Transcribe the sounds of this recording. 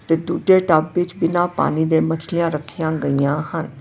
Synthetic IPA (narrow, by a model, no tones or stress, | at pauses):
t̪ed̪uːɖeʈabːɪt͡ʃbɪnãpa̰ːnid̪emɐt͡ʃʰlijãɾəkʰijãɡəijãɦən